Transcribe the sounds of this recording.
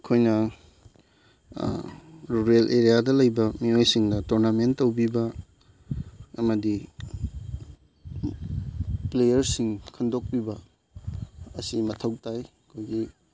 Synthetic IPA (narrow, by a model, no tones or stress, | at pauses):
kʰojnɐ | ɾuɾelʔeɾijadɐlɐjbɐmiojsiŋdɐtoɾnamentːɐwbibɐ | mɐdi | plejɐɾsiŋkʰɐndok̚pibɐ | ɐsimɐtʰɐwtajɐkʰojɡi